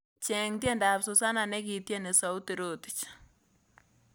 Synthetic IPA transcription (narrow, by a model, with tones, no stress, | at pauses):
t͡ʃɛ˨ŋtjɛ˦nda˨pso˨sa˦na˨nɛ˦ki˨tjɛ˦ne˨sa˨u˦te˨ɾo˦ti̥t͡ʃ